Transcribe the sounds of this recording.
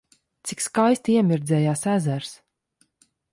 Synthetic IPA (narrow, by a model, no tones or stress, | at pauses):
t̪sikskajst̪ʲiɛmʲiɾd̪zɛːjaːsæzæɾs